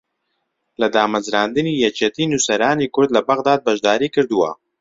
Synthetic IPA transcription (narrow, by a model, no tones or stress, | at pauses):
lad̪ɑːmɐzɾɑːnd̪ɨnijat͡ʃɐt̪inusɐɾɑːnikʊɾd̪labɐɣd̪ɑːd̪̚bɐʒd̪ɑːɾikɨɾd̪uwa̰